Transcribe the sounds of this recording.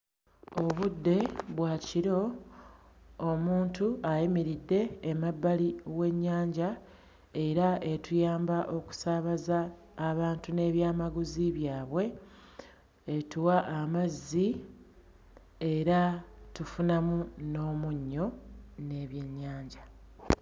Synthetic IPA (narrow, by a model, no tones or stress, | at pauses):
oβudːe̞βwaːciɾo̞ | muːntuajimiɾidːe̞ːmabːaliwe̞ɲːaːɲɟa | eɾae̞tujaːmbaʔo̞ku̥saːβazaː | βaːntune̞ːβjaːmaɡuziβjaːβwe̞ | etuwaʔːmazːi | e̞ɾatufunamuno̞ːmuɲːo̞ne̞ːβje̞ɲːaːɲɟa